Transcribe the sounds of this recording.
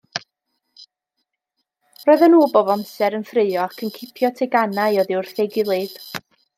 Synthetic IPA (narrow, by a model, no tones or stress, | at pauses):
roːɨðənuːboːbamsɛɾənfrɨɨɔakʰənkʰɪpʰjɔtʰɛɡanajɔðɪʊrθeɡɪlˠɨd̥